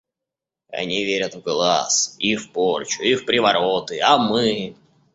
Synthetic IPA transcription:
ɐ̰nʲivʲeɾʲət̪vɡlˠa̰sifport͡ɕʊifpɾʲɪvɐɾot̪ɨamɨ

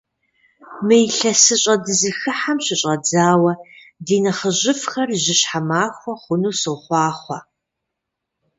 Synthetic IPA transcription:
mɨjɬɐsɨɕʼɐdɨzɨxɨħamɕɪɕʼɐd͡zaːwɐ | diːnɐχəʑɪfxɐrʑɪɕħamaːxʷɔχʷʊnuːsɨʁχʷɑːχʷɐ

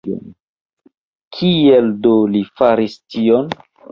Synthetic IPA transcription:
o̰n | kʰieldolifaɾistion

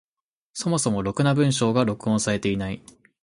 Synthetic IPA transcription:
so̞mo̞so̞mo̞ɾo̞kɯ̟nabɯ̟̃ɰ̃ɕo̞ːɡaɾo̞kɯ̟õɰ̃saɾe̞t̪e̞inai

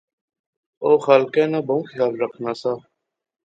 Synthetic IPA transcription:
oːxaːlkɛ̃ːnãːbʱəũːkʰɪlaːlɾəkʰnaːsaː

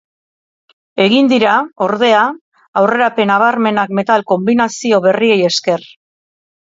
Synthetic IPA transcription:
e̞ɣind̪iɾao̞ɾðe̞aː | wre̞ɾape̞naβ̞aɾme̞nakme̞t̪alko̞mbinasio̞βe̞rie̞je̞ske̞r

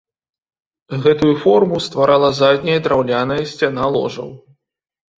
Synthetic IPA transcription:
ɣɛt̪ujufɔrmust̪vaɾʔalˠɐzad̪ʲnʲɐjɐd̪ɾawlʲanɐjɐsʲt͡sʲanalˠɔ̰ʐɐ̰w

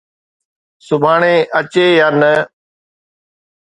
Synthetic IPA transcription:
sʊbʱaːɳẽːʔət͡ʃeːjaːnə

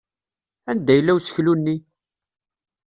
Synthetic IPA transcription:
ænd̪æjəlːæwsə̥çlunːi

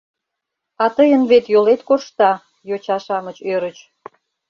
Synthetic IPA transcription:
ɑt̪əjənβet̪jolet̪koʃt̪ɑ | jot͡ɕɑʃɑmət͡ɕøɾət͡ɕ

